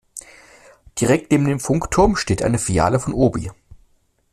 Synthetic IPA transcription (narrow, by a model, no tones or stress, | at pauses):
d̥iʁɛk̚tneːbm̩deːmfʊŋktʰʊɐmʃteːtʔa̰ɪnəfia̰ːləfɔnʔoːbḭ